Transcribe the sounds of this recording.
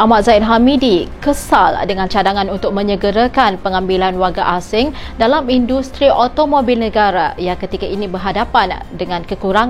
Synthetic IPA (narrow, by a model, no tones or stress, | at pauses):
ʔamat̪̚zaɪt̪̚ɦamidikəsaldəŋãnt͡ʃadaŋãnunt̪ʊk̚mə̃ɲəɡəɾakanpəŋãmbilanwaɡaʔasɪŋ | dalamindust̪ɾiʔot̪omobilnəɡaɾa̰jaŋkət̪ikaʔinibərɦadapandəŋãnkəkuɾaŋ